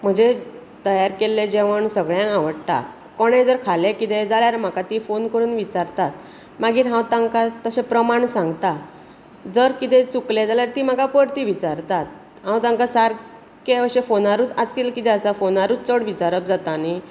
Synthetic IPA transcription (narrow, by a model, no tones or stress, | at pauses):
m̤əɳd͡ʑe | t̪əjaɾkelːed͡ʑeʋ̤əɳsəɡɭjãkãʋəɽt̪a̰ | koɽ̃ẽd͡zəɾkʰalekit̪ed͡zaljaɾem̤akat̪ifonkəɾuːnʋit͡ɕaɾt̪at̪̚ | maɡiːɾɦãwt̪ãŋkat̪əsepɾəmaɳsãŋɡt̪a | d͡zəɾkit̪ẽt͡suklẽd͡zaljaɾt̪iːm̤akapəɾt̪iʋit͡saɾt̪at̪̚ | ɦãwt̪ãŋkasaɾ | keəɕefonaɾuːt͡sad͡zkit̪lekit̪ɛəsafonaɾuːt͡st͡səɽʋit͡ɕaɾəp̚d͡zat̪ani